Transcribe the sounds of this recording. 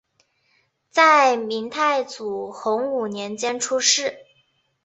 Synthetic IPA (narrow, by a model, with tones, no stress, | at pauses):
t͡sa˥˩ɪmi˧˥ŋt̪ʰa˥˩ɪt͡su˨˩xʊ˧˥ŋu˨˩njɛ˧˥nt͡ɕjɛ˥nʈ͡ʂʰu˥ʂɻ̩˥˩